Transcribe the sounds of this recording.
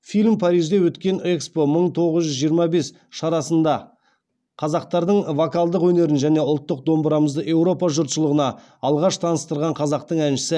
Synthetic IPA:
filʲmpʰɑɾijʒd̪e̞wɵt̪kʲe̞nekspo̞məɴt̪ʰo̞ʁəzʒʏzʒijəɾmɑbe̞s | ʃɑɾɑsənd̪ɑ | qʰɑzɑq̚t̪ɑɾd̪əɴvokɑlˠd̪əqwɵne̞ɾɪnʒæne̞ʊlˠt̪ːəq̚d̪o̞mbəɾɑməzd̪əʔe̞wɾo̞pɑʒʊɾt̪ʃəlˠəʁənɑ | ɑlˠʁɑʃt̪ʰɑnəst̪əɾʁɑɴqʰɑzɑq̚t̪əɴænʃɪ̥sɪ

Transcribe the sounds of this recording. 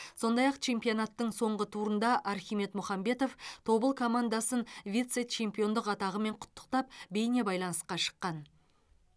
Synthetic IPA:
so̞nd̪ɑjɑqt͡ʃʰe̞mpijo̞nɑt̪ːəɴso̞ɴʁət̪ʰuɾənd̪ɑʔɑɾxʲijme̞t̪mʊχɑmbe̞t̪o̞ft̪ʰo̞bəlˠkʰo̞mand̪ɑsənvʲit̪set͡ʃʰe̞mpʲijo̞nd̪əqɑt̪ɑʁəme̞ɴqʰʊ̥t̪ːə̥qt̪ɑp̚be̞jne̞bɑjlˠɑnəsqɑʃə̥qːɑn

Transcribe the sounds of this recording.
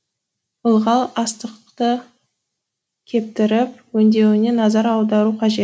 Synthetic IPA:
bʊlˠʁɑlˠɑst̪əqt̪ə | kʲʰe̞p̚t̪ɪɾɪp̚wɵnd̪e̞wɪne̞nɑzɑɾɑwˠd̪ɑɾuqʰɑʒe̞t̪

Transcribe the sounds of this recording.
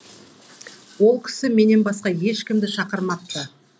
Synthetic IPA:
wo̞lˠkʲʰɪ̥sɪme̞ne̞nbɑsqɑje̞ʃkʲɪmd̪ɪʃɑqəɾmɑp̚t̪ːə

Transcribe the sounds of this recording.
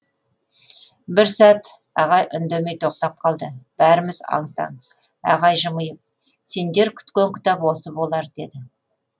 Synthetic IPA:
bɪɾsæt̪ | ɑʁɑjʔʏnd̪eme̞jt̪ʰo̞q̚t̪ɑp̚qʰɑlˠd̪əb̥æɾɪmɪzɑ̰ɴt̪ɑ̰ɴ | ɑ̰ʁɑjʒəməjəp̚ | se̞nd̪e̞ɾkʲʰʏ̥t̪kʲeŋkʲʰɪ̥t̪ɑpwo̞səbo̞lˠɑɾd̪e̞d̪ɪ

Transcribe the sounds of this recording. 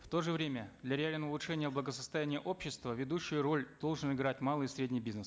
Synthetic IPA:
ft̪o̞ʐɨvɾʲemʲəd̪lʲɐɾʲɪalʲnəʊlˠʊʂɛnʲɪjəblˠəɡəsəst̪ɐjænʲɪjəʔo̞pɕːɪst̪vəvʲɪd̪uɕːɪjʊɾo̞lʲd̪̥o̞lˠʐɨnɪɡɾatʲmalˠɨjsɾʲedʲnʲɪjbʲiznəs

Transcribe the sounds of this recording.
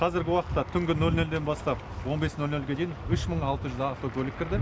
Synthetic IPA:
qʰɑzɪɾɡʲɪwɑqət̪ːɑt̪ʰʏŋɡʲɪnɵlnɵld̪e̞nbɑst̪ɑp̚ | wo̞nbe̞snɵlnɵlʲɡʲe̞d̪e̞jɪnʏʃməɴɑlˠt̪əʒʏzɑft̪okʲʰɵlɪk̚ʲʰɪɾd̪ɪ

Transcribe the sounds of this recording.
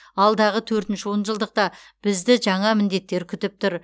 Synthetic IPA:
ɑlˠd̪ɑʁət̪ʰɵɾt̪ɪnʃɪwo̞nʒəlˠd̪əq̚t̪ɑ | b̥ɪzd̪ɪʒɑɴɑmɪnd̪e̞t̪ːe̞ɾkʲʰʏt̪ɪp̚t̪ʊɾ

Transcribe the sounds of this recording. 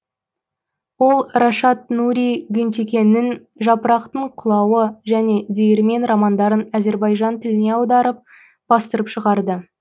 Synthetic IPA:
wo̞lˠrɑʃɑt̪nuɾʲijɡʲʏnt̪ekʲe̞nːɪn | ʒɑpəɾɑqt̪əɴqʰʊlˠɑwəʒæne̞d̪ejeɾme̞nɾɑmɑnd̪ɑɾənæze̞ɾbɑjʒɑnt̪ʰɪlɪne̞ɑwd̪ɑɾəp̚ | b̥ɑst̪əɾəpʃəʁɑɾd̪ə

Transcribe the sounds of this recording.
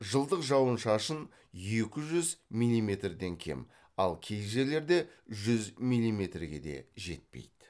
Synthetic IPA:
ʒəlˠd̪əqʒɑwənʃɑʃən | je̞kʲɪʒʏzmijlʲːime̞t̪rd̪e̞ŋkʲʰe̞̰m | ɑ̰lˠkʲʰe̞jʒe̞le̞ɾd̪e̞ʒʏzmijlʲːime̞t̪rɡʲe̞̰d̪e̞̰ʒe̞̰t̪̚pḛjd̪̥

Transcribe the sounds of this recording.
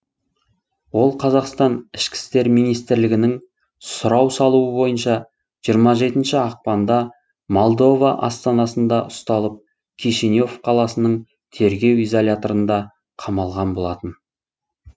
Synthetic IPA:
wo̞lˠqʰɑzɑqst̪ɑnɪʃkʲɪ̥st̪e̞ɾmijnijst̪ɪɾlɪɡʲɪnɪŋ | sʊɾɑwsɑlˠuəbo̞jənʃɑ | ʒ̥ijəɾmɑʒe̞t̪ɪnʃɪɑq̚pɑnd̪ɑ | mo̞lˠd̪o̞vɑʔɑ̰st̪ɑnɑsənd̪ɑʔʊst̪ɑlˠəp̚ | kʲʰiʃinjo̞fqʰɑlˠɑsənəɴ | t̪ʰe̞ɾɡʲe̞wizolʲat̪o̞ɾənd̪ɑ | qʰɑmɑlˠʁɑnbo̞lˠɑt̪ən

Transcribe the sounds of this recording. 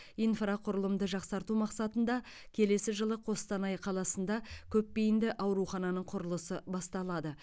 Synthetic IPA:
ijnfraqʰʊɾəlˠəmd̪əʒɑqsɑɾt̪umɑqsɑt̪ənd̪ɑ | kʲʰe̞le̞sɪʒəlˠəqʰo̞st̪ɑnɑjqʰɑlˠɑsənd̪ɑkʲʰɵpːe̞jɪnd̪ɪʔɑwɾuχɑnɑnəɴqʰʊɾəlˠəsəbɑst̪ɑlˠɑd̪ə

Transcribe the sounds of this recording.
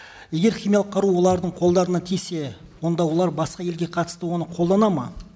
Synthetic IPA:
je̞ɡʲe̞ɾχimijɑlˠəqʰːɑɾuwo̞lˠɑɾd̪əɴqʰo̞lˠd̪ɑɾənɑt̪ʰijse̞ | wo̞nd̪ɑwo̞lˠɑɾbɑsqɑje̞lɡʲe̞qʰɑt̪ə̥st̪əwo̞nəqʰo̞lˠd̪ɑnɑmɑ

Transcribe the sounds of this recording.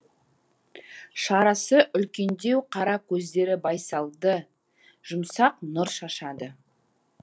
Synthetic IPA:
ʃɑɾɑsəʔʏlkʲe̞nd̪e̞wqʰɑɾɑkʲʰɵzd̪e̞ɾɪbɑjsɑlˠd̪ə | ʒ̥ʊmsɑqnʊɾʃɑʃɑd̪ə

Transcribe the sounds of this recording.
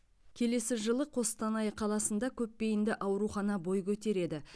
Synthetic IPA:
kʲʰe̞le̞sɪʒəlˠəqʰo̞st̪ɑnɑjqʰɑlˠɑsənd̪ɑkʲʰɵpːe̞jɪnd̪ɪʔɑwɾuχɑnɑbo̞jkʲʰɵt̪e̞ɾe̞d̪ɪ

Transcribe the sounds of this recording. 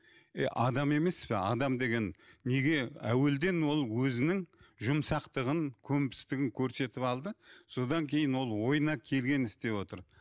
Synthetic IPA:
ḛʔɑd̪ɑme̞me̞spɪɑ̰d̪ɑmd̪e̞ɡʲe̞nːe̞ɡʲe̞æwe̞ld̪e̞nwo̞lˠwɵzɪnɪŋʒʊmsɑqt̪əʁəŋkʲʰɵmpɪ̥st̪ɪɡʲɪŋkʲʰɵɾse̞t̪ɪpɑlˠd̪əso̞d̪ɑŋkʲʰe̞jɪnwo̞lˠwo̞jənɑkʲʰe̞lɡʲe̞nɪst̪e̞wo̞t̪əɾ

